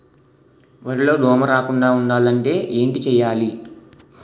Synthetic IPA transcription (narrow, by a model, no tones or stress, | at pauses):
ʋɐɾilo̞ːɖɔːmɐɾaːkuɳɖaːuɳɖaːlɐɳʈe̞ːʔeːɳʈit͡ʃɛjaːli